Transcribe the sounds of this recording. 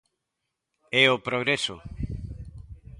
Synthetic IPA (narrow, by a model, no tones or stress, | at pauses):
ɛopɾoɣ̞ɾeso